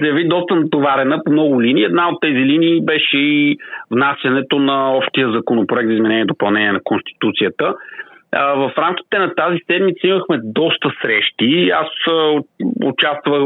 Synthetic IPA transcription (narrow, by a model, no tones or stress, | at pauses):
zɐjɐvid̪ɔst̪ənɐt̪ovaɾɛnəpomnɔɡʊliniːɛd̪naot̪ːɛziliniːbɛʃɛivnasʲjɐnɛt̪onɐɔpʃt̪ijəzɐkonopɾʊɛk̚t̪zizmɛnɛniɛd̪opɐlˠnɛniɛnɐkonst̪i̥t̪ut̪sijət̪ə | vəfɾamkʲi̥t̪ɛnɐt̪azisɛd̪mit̪səiməxmɛd̪ɔst̪əsɾɛʃt̪ia̰s | o̰t͡ʃast̪vvə